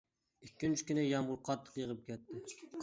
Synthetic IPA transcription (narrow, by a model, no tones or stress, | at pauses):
ikʲːynt͡ʃʰi̥kʲynɪjɑmʁʊɾqʰɑt̪ʰːə̥qjəʁəp̚kʲʰɛt̪ʰːɪ